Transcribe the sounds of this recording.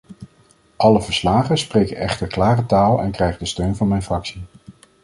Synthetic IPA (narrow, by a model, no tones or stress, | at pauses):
ʔɑləvəɹslaːχənsprejkənʔɛχtəɹklaːrətaːlˠɛ̰nkrɛjχədəstøɥnvɑnmɛjnfrɑksi